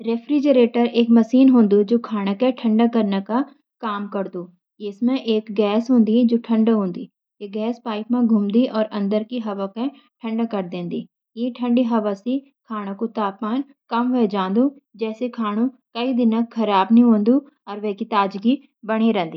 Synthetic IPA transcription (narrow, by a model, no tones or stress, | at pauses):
ɾeːfɾid͡ʒəɾeːʈəɾeːkmɐʃiːnɦõːnd̪ud͡ʒoːkʰaːɽ̃akẽʈʰɐ̃ɳɖakɐɾneka | kaːmkɐɾd̪uː | ɪsmẽʔeːkɡɛːsɦõːnd̪id͡ʒoːʈʰɐ̃ɳɖaɦõːnd̪iː | jeɡɛːspaːɪp̚mẽɡʱuːmd̪iʔɔːɾɐ̃nd̪əɾkiɦɐʋakẽ | ʈʰɐ̃ɳɖakɐɾd̪ẽːnd̪iː | jeʈʰɐ̃ɳɖiɦɐʋasi | kʰaːɽ̃ãkot̪aːpmaːn | kɐmʋɛd͡ʒãːnd̪ud͡ʒɛːsekʰaːɽ̃ũ | kɐid̪ɪnəkxʰɐɾaːbnɦĩɦõːnd̪u | ɔːɾʋɛkit̪aːd͡ʒɡi | bɐɽ̃iɾɛ̃ːnd̪iː